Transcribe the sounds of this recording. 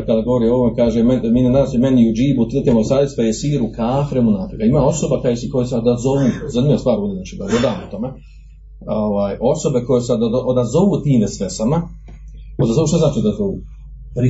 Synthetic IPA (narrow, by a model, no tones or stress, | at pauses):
kad̪aɡoʋoɾioʋomekaːʒememiːnenaːsimeniud͡ʒiːbut̪lt̪imosaːdjest̪ajesiːɾukaːfɾemunafikaimaːo̞so̞bakajesekojeseod̪azoʋuːzanimiast̪ʋaːɾud̪iznaːt͡ʃiːd̪aɡlod̪aːmot̪o̞me | oʋaːjo̞so̞beko̞jesad̪ʔod̪azo̞ʋuːt̪iːmʋesesama | od̪azo̞ʋuːʃt̪aznaːt͡ʃid̪azoʋṵː | pɾi